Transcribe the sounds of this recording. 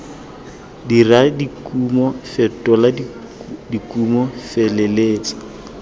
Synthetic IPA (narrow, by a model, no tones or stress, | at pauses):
diradikumɔfɛtɔla | dikumɔfɛlɛleːt͡sḁ